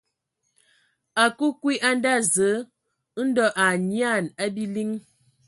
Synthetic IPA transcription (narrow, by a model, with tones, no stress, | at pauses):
a˨ku˦kwi˦ʔa˦n˦da˦˨zə˨˦ | n̩˦dɔ˦ʔa˨ɲja˦˨na˦bi˦li˦ŋ